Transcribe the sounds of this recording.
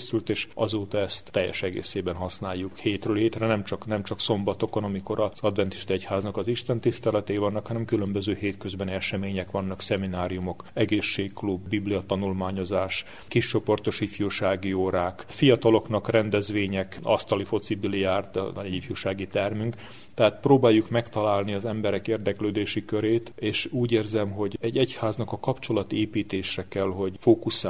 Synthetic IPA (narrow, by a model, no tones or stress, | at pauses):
sylt̪eːʃɒzoːt̪ɒɛst̪ːɛjːɛ̰ʃɛɡḛːseːbɛnɦɒsnaːjːukheːt̪røːlɦeːt̪rɛnɛmt͡ʃɒknɛmt͡ʃɒkso̞mbɒt̪o̞konɒmiko̞ɾɒzɒd̪vɛnt̪i̥ʃt̪iɛchaːznɒkɒziʃt̪ɛnt̪ist̪ɛlɛt̪ɛivɒnːɒkhɒnɛmkylømbøzøːɦeːt̪kø̞zbɛniɛʃɛmeːɲɛkʋɒnːɒksɛminaːɾijumo̞kɛɡeːʃːeːkklubːibliɒt̪ɒnulmaːɲo̞zaːʃ | kiʃt͡ʃo̞po̞rt̪o̞ʃifjoːʃaːɡioːɾaːkfijɒt̪ɒlo̞knɒkrɛnd̪ɛzʋeːɲɛkɒ̰st̪ɒlifo̞t̪sibiliaːrt̪ifjoːʃaːɡit̪ɛrmyŋk | t̪ɛɦaːt̪proːbaːjːukmɛkt̪ɒlaːlniɒzɛmbɛɾɛkeːrd̪ɛkløːd̪eːʃikøɾeːt̪eːʃuːɟeːrzɛmɦo̞ɟɛɟːɛchaːznɒkɒkɒpt͡ʃo̞lɒt̪eːpiːt̪eːʃɛkɛlɦo̞ɟfoːkus